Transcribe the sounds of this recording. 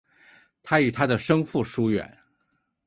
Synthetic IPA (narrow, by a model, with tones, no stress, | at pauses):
t̪ʰa˥y˨˩t̪ʰa˥d̪ə˨ʂɤ˥ŋfu˥˩ʂu˥ɥɛ̰˨˩˦n